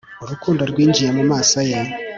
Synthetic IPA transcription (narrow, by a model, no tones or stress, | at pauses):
uɾukuːndoɾɡwiːɲd͡ʒijamumaːsaje